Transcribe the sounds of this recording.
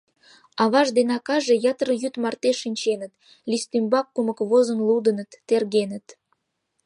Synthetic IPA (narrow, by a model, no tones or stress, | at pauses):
ɑβɑʒd̪enɑkɑʒejɑt̪ərəjyt̪mɑrt̪eʃinʲt͡ɕenət̪ | lʲist̪ymbɑkːumə̆kβozənlud̪ənət̪ːerɣenə̆t̪